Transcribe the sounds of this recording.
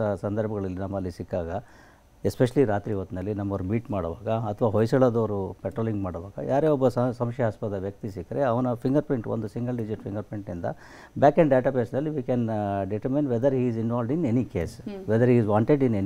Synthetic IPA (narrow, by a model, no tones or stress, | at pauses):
ɐsɐnd̪ɐɾbʱɐɡɐɭɐlːinɐmːɐlːisikːaːɡɐ | espeʃɐliɾaːt̪ɾiːʋɐt̪ːnɐlːinɐmːɐʋɾubiːʈmaːɽɐʋa̰ːɡɐːt̪ʰʋaːɦojsɐɭɐd̪ɐʋɐɾupeʈɾoːliŋɡmaːɽɐʋaːɡɐ̰jaːɾeːɔbːɐssɐmʃɛaːspɐt̪ɐʋjɐk̚t̪isikːɐɾeɐʋɐnɐpʰiŋɡɐɾpiɳʈond̪usiŋɡɐlɖid͡ʒiʈfʰiŋɡɐɾpiɳʈnind̪ɐ̰ | baːkɛ̃ɳɖeːʈapeɾsnɐlːiʋiːkɛnɖiʈɐɾminʋed̪ɐɾɦiːzinʋaːlɖinenikeːsʋed̪ɐɾɦiːzʋaːɳʈeɖineni